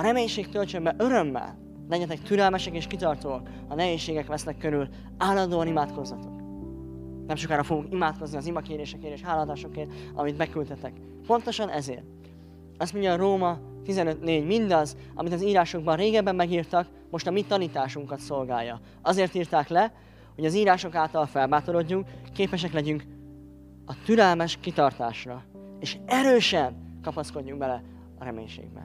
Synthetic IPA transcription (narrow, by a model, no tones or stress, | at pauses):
ɒɾɛmeːɲʃeːkt̪ølt͡ʃømbɛʔø̞ɾø̞mːɛ̰l | lɛɟɛt̪ɛkt̪yɾɛlmɛʃɛkeːʃkit̪ɒrt̪oːɒk | ɒnɛɦeːʃːeːɡɛkʋɛsnɛkːøɾyl | aːlːɒnd̪oːɒnimaːt̪ko̞zːɒt̪o̞k | nɛmʃokaːɾɒfouŋkimaːt̪ko̞zniɒzimɒkeːɾeːʃɛkeːɾeːʃhaːlɒnd̪aːʃo̞keːɒ̰mit̪mɛkːylt̪ɛt̪ɛk | po̞nt̪o̞ʃɒnʔɛzḛːrt̪ | ɒst̪mo̞ɲɟɒroːmɒt̪izɛnø̞t̪neːɟmind̪ɒz | ɒ̰mit̪ɒziːɾaːʃoɡbɒnreːɡɛbːɛmːɛɡiːrt̪ɒk | mo̞ʃt̪ɒmit̪ɒniːt̪aːʃuŋkɒt̪so̞lɡaːjːɒ | ɒzeːrt̪iːrt̪aːklɛ | ho̞ɟɒziːɾaːʃo̞kaːlt̪ɒlfɛlbaːt̪o̞ɾo̞ɟːuŋkːeːpɛʃ̬ɛklɛɟyŋk | ɒt̪yɾɛlmɛʃkit̪ɒrt̪aːʃrɒ | eːʃɛɾøːʃɛnkɒpɒsko̞ɟːuŋɡbɛlɛ | ɒɾɛmḛːɲʃḛːɡ̚bɛ̰n